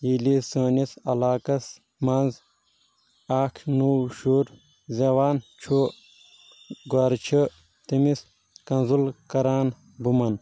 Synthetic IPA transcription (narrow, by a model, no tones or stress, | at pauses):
jilisəːnisɐlaːkɐs | mɐnz | aːkʰnuwʃuːɾ | zɐwaːnt͡ʃʰoː | ɡaːɾt͡ʃʰə | t̪imis | kɐnzulkɐɾaːn | bumɐn